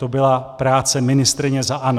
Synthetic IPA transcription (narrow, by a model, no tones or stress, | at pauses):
t̪obɪlapɾaːt͡sɛmɪnɪst̪ɾɪɲɛzaʔano